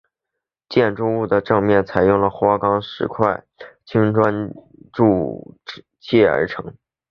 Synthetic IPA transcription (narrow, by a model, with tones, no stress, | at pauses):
t͡ɕjɛ˥˩nʈ͡ʂu˥˧u˥˩d̪ə˩ʈ͡ʂɤ˥˧ŋmjɛ˥˩nt͡sʰa˧˥ɪjʊ˥˩ŋlə˩xwa˥kɑ˥ŋʂɻ̩˧˥kʰwa˥˩ɪt͡ɕʰi˥ŋʈ͡ʂwa˥n | ʈ͡ʂu˥˧ | t͡ɕʰi˥˩ə̰˞˧˥ʈ͡ʂʰɤ̰˧˥ŋ